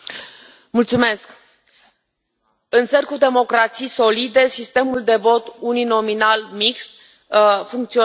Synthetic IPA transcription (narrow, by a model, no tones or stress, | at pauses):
mult̪sume̞sk | ɨnt̪sərʲkud̪e̞mo̞kɾat̪sijso̞lid̪e̞sist̪e̞muld̪e̞vo̞t̪unino̞minalmikst̪̚ | fuŋk̚t̪sio